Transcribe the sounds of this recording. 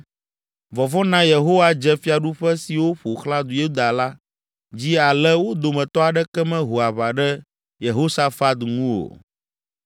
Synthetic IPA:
vɔ˨vɔ˦nã˦je˨ɦo˦wa˦d͡ʒɛ˦fi˦a˨ɖu˦ɸɛ˦si˨wo˦ɸo˨xlã˦d̪u˨je˦˨ɦu˦d̪a˨la˦ | d͡ʑi˦a˨lɛ˦wo˦d̪o˨mɛ̃˨t̪ɔ˦a˨ɖɛ˦kɛ˦mɛ̃˦ɦo˨a˨βa˨ɖɛ˦ | je˨ɦo˦sa˦fa˦t̪ŋũ˦o̰˨

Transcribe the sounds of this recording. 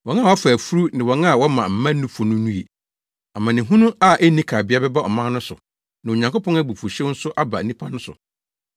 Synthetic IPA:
wɔ̃˨n˦a˦˨wɔ˨˦a˦fa˨fu˦ɾu˦nɪ̃˨wɔ̃˨na˦a˨wɔ˦mã˨m̩˨mã˦nũ˦fɔ˨nʊ̃˦nũ˦e˨ | a˨mã˨nɪ̃˨ɦũ˦nũ˦a˦˨ʔɛ˦nĩ˦kʰa˨bɪ˦a˦bɛ˦ba˦ɔ˨mã˦nʊ̃˦sʊ̰˨ | nã˨o˨ɲã˨ŋko˦pʰɔ̃˦ŋa˦bu˨fu˨ɕɛ̃˦n̩˦sʊ˦ʔa˦ba̰˨˦nĩ˦pʰa˦nʊ̃˦sʊ̰˨

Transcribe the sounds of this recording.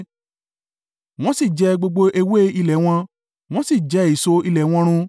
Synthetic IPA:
w̃ɔ̃˦si˦˨d͡ʒɛ˧˦ɡ͡bo˧ɡ͡bo˧ʔe˧we˦i˧lɛ˨w̃ɔ̃˧ | w̃ɔ̃˦si˦˨d͡ʒɛ˧˦i˨so˧i˧lɛ˨w̃ɔ̃˧ɾ̃ũ˧

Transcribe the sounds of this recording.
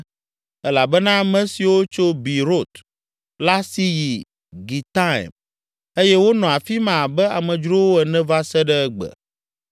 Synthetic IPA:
ɛ˦la˨bɛ˦nã˦mɛ̃˦si˨wo˦t͡ʃo˦bi˨ɾo˦˨t̪ | la˦si˦ji˨ | ɡi˨t̪a̰˦˨m | e˦jɛ˦wo˦nɔ̃˨a˨fi˦mã˨bɛ˦a˨mɛ̃˨d͡ʒɾo˦wo˦ɛ˨nɛ̃˦va˦sɛ˦ɖɛ˦ɡ͡bɛ̰˨

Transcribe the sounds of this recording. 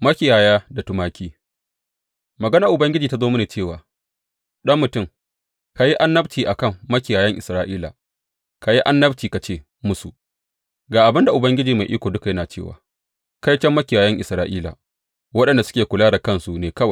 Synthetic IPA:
mɐ˦kʲɪ˨jaː˨jaː˦da˨tʊ˨maː˦kʲiː˦ | mɐ˨ɡɐ˦naː˨ʔʊ˨bɐ˦ŋɡʲɪ˦d͡ʒiː˨ta˦zoː˦mʊ˦neː˨t͡ʃeː˦˨waː˨ | ɗɐ˦mːʊ˨tʊ˦˨ŋ | ka˨ji˦ʔa˦nːɐ˦btiː˨ʔa˨kɐ˦˨mːɐ˦kʲɪ˨jaː˨jɐ˦ŋʔɪ˨sɾaː˦ʔiː˦la̰˨ | ka˨ji˦ʔa˦nːɐ˦btiː˨ka˨t͡ʃeː˦˨ | mʊ˦su˨ʔ | ɡaː˨ʔa˨bɪ˦nda˨ʔʊ˨bɐ˦ŋɡʲɪ˦d͡ʒiː˨ma˨ʔiː˦kʷoː˨dʊ˦ka˨jɐ˦naː˨t͡ʃḛ˦˨wa̰ː˨ | ka˦jt͡ʃɐ˦mːɐ˦kʲɪ˨jaː˨jɐ˦ŋʔɪ˨sɾaː˦ʔiː˦la̰˨ | wɐ˦ɗɐ˨nda˨sʊ̥˦kʲeː˨kʷʊ˨laː˦da˨kɐ˦nsu˨neː˨kɐ˦wa˨

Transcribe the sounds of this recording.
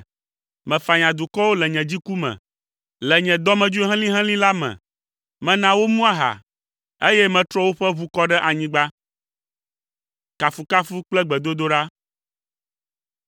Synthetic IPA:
mɛ̃˨fa˨ɲã˨d̪u˨kɔ˦wo˦lɛ˨ɲɛ̃˨d͡ʑi˦ku˦mɛ̰̃˨ | lɛ˨ɲɛ̃˨d̪ɔ˦mɛ̃˨d͡ʒu˦e˦ɦɛ̃˦lĩ˦ɦɛ̃˦lĩ˦la˦mɛ̰̃˨ | mɛ̃˨nã˨wo˦mũ˦a˦ɦa̰˨ | e˦jɛ˦mɛ̃˨t̪ɾɔ˦wo˦ɸɛ˦βu˦kɔ˦ɖɛ˦ʔa˨ɲĩ˦ɡ͡ba˦ | ka˨fu˨ka˦fu˦k͡plɛ˦ɡ͡bɛ˨d̪o˦d̪o˦ɖa˦

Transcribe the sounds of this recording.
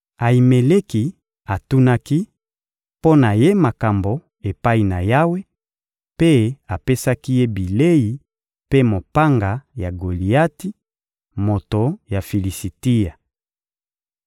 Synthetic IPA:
a˨i˨me˨le˦ki˨ | a˨tu˦na˦ki˦ | po˦na˨je˦ma˨ka˨mbo˨ | e˨pa˦i˨na˨ja˦we˦ | pe˦a˨pe˦sa˦ki˦je˦bi˨le˦ji˨ | pe˦mo˨pa˦ŋɡa˨ja˨ɡo˨li˨a˦ti˦ | mo˨to˨ja˨fi˨li˨si˨ti˦ja˨

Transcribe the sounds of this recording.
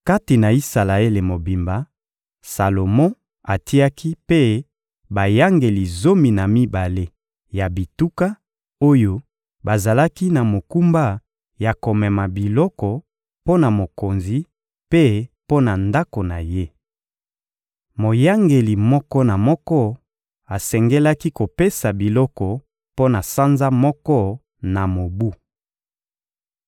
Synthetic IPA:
ka˦ti˨na˨i˦sa˨la˨e˦le˨mo˨bi˨mba˨ | sa˨lo˨mɔ̃˦ | a˨ti˦a˦ki˦pe˦ | ba˨ja˦ŋɡe˨li˨zo˦mi˨na˨mi˦ba˨le˦ | ja˨bi˨tu˦ka˦ | o˦jo˦ | ba˨za˨la˦ki˦na˨mo˨ku˦mba˦ | ja˨ko˨mɛ˨ma˨bi˨lɔ˦kɔ˨ | po˦na˨mo˨ko˨nzi˨˦ | pe˦po˦na˨nda˦ko˨na˨je˦ | mo˨ja˦ŋɡe˨li˨mɔ˦kɔ˦na˨mɔ˦kɔ˦ | a˨sɛ˨ŋɡɛ˦la˦ki˦ko˨pe˦sa˨bi˨lɔ˦kɔ˨ | po˦na˨sa˦nza˦mɔ˦kɔ˦ | na˨mo˨bu˦

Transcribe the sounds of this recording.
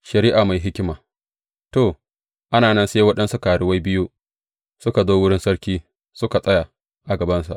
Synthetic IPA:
ʃɐ˨ɾiː˦ʔaː˨ma˨jɦɪ˦kʲɪ˦maː˨ | toː˨ | ʔa˦naː˨nɐ˦nseː˦wɐ˦ɗɐ˦nsu˦ka˨ɽɪ˨wa˦jbɪ˦ju˦ | sʊ˦ka˨zoː˦wʊ˦ɽɪ˦nsɐ˦ɽkʲiː˦ | sʊ˦ka˨sʼɐ˦ja˨ | ʔa˨ɡɐ˨bɐ˦nsa̰˨ʔ

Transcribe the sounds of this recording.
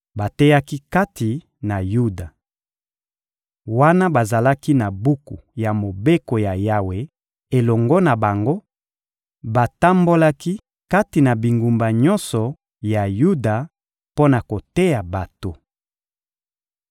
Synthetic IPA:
ba˨tɛ˦ja˦ki˦ka˦ti˨ | na˨ju˦da˨ | wa˦na˦ba˨za˨la˦ki˦na˨bu˦kṵ˨ja˨mo˨be˦ko˨ja˨ja˦we˨ | e˨lɔ˨ŋɡɔ˦na˨ba˨ŋɡo˦ | ba˨ta˦mbo˦la˦ki˦ | ka˦ti˨na˨bi˨ŋɡu˨mba˨ɲɔ˦nsɔ˨ | ja˨ju˦da˨ | po˦na˨ko˨te˦ja˨ba˨to˨

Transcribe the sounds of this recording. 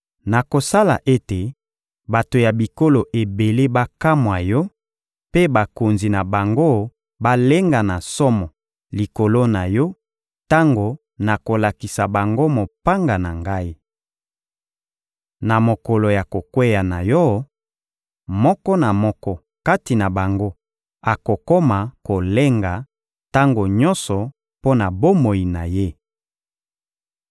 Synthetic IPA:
na˨ko˨sa˦la̰˨ʔe˦te˨ | ba˨to˨ja˨bi˨ko˦lo˨ʔe˨be˨le˦ba˦ka˦mwa˨jɔ˦ | pe˦ba˨ko˨nzi˨na˨ba˨ŋɡo˦ | ba˦le˦ŋɡa˨na˨sɔ˦mɔ˨ | li˨ko˨lo˦na˨jɔ˦ | ta˦ŋɡo˨ | na˨ko˨la˨ki˨sa˨ba˨ŋɡo˦mo˨pa˦ŋɡa˨na˨ŋɡa˦i˦ | na˨mo˨ko˨lo˨ja˨ko˨kwe˦ja˨na˨jɔ˦ | mɔ˦kɔ˦na˨mɔ˦kɔ˦ | ka˦ti˨na˨ba˨ŋɡo˦ | a˨ko˨ko˦ma˨ko˨le˦ŋɡa˨ | ta˦ŋɡo˨ɲɔ̃˦nsɔ˨ | po˦na˨bo˦mo˨ji˨na˨je˦

